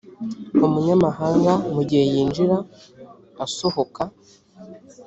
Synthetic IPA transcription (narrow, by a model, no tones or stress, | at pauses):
umuɲamahaːŋɡamuɟihejiːnd͡ʒiɾa | asohoka